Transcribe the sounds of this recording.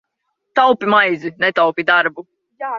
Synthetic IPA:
t̪awpimajzinɛt̪awpʲid̪aɾbu

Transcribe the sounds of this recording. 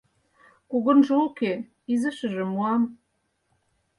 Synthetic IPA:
kuɣə̆nʒŏoke | izəʃə̆ʒĕmuɑm

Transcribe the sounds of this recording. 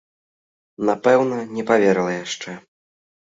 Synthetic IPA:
napɛwnɐnʲɛpavʲɛɾɨlˠɐjaʂt͡ʂɛ

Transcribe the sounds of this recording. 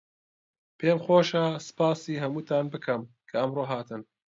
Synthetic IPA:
pʰeːmxoːʃasɨ̥paːsiːɦɐmuːt̪ʰaːnbɨkʰɐm | kʰɐɐmroːɦaːt̪ʰɨn

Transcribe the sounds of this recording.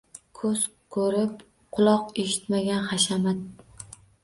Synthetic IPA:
kʰɵz̥ | kʰɵɾɪp | qʰʊlˠɒqeʃɪ̥t̪maɡʲanχaʃamat̪̚

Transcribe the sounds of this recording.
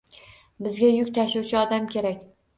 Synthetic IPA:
bɪzɡʲajʊkʲt̪ʰaʃuwt͡ʃʰɪɒd̪amkʲʰe̞ɾakʲ

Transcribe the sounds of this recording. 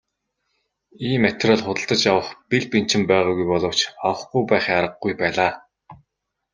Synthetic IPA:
iːmːæt̪rɔɮχʊt̪ə̆ɬt̪ə̆t͡ɕjawə̆χpiɮpin̥t͡ɕɪ̆mpæːʁɔːɣujpɔɮɞ̆w̥t͡ɕɔwə̆χɡujpæːχjaɾə̆ɡ̚ɡujpæːɮaː

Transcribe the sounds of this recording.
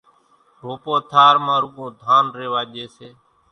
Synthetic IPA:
ɾoːpoːt̪ʰaːɾmãːɾukõːd̪ʱaːnɾeːʋaːʄeːseː

